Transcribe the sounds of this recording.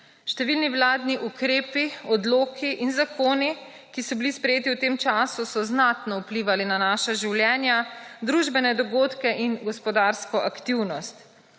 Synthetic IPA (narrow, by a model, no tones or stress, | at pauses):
ʃt̪ɛʋilniwlaːd̪niʔukɾeːpiɔd̪loːkʰiʔinzakʰoːni | kisɔbilispɾɛjeːt̪iwt̪eːmt͡ʃaːsusɔznat̪nɔupliʋalinanaːʃaʒiwljɛːnjad̪ɾuʒbɛnɛd̪ɔɡoːt̪kɛʔinɡɔspɔd̪aːɾskɔʔakt̪iwnɔst̪